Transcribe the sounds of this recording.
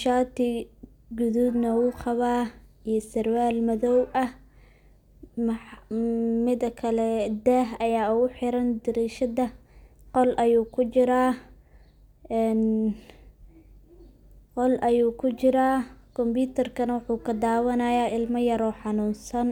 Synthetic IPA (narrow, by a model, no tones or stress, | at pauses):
ʃaːt̪ʰi | ɡʊðud̪nɐwuːχɑβaːijɐsɐrwaːlmɐðɔwʔɐh | m | mɪd̪ɐkʰɐlɛd̪ɛːɦɐjaːʊɣʊħɪɾɐnd̪ɪɾiːʃɐðɐqɔlʔɐjuːkʰʊt͡ʃɪɾaː | ɛn | qɔlʔɐjuːkʰʊt͡ʃɪɾaːkʰɔmbjuːt̪ʰɐrkʰɐnɐwɑħuːkʰɐd̪aːwɐnɐjaːɪlmɐjɐɾɔːħɑnuːnsɐn